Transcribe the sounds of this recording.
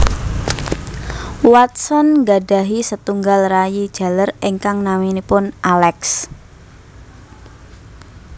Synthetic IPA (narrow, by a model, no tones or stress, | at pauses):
wat̪̚sɔnŋɡaɖ̥a̤ɦisət̪uŋɡalrajid̥ʒ̥a̤ləreŋkaŋnaminipʊnʔalɛks